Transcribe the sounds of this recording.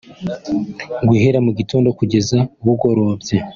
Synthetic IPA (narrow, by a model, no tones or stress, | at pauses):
ŋɡwiheɾamuɟito̞ːndo̞kuɟe̞zauβuɡoɾowabje